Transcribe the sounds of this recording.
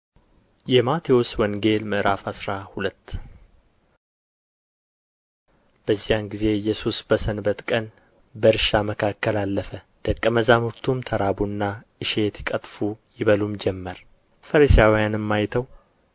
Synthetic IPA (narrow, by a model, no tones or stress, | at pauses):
jɛmat̪ʰiwoswɔŋɡe̞lməʔɾafhasɾahulət̪ː | b̥əzːijanɡize̞jɛsusbəsənbət̪kʼən | bəɾʃaməkʰakːəlalːəfə | d̪̥əkʼːəməzamuɾt̪ʰumt̪ʰəɾabunːa | ɨʃet̪ʰi̥kʼət̪ʼfujɪβəlumd͡ʒɛmːəɾ | fəɾisijawjanɨmːajt̪ʰəw